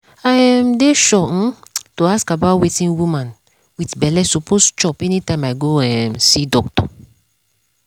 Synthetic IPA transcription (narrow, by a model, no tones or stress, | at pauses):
ajɛmdeʃɔ̃toaskabawetĩŋwumãn | witbɛlɛsopost͡ʃɔpɛnitãɪ̃maɪɡoɛmsidɔktɔ̰